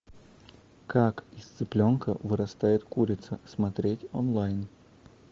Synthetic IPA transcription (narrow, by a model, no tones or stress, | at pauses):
kakɪst̪sɨplʲonkə̰vɨɾɐst̪ajɪt̪kuɾʲɪt̪səsmɐt̪ɾʲetʲonlˠajn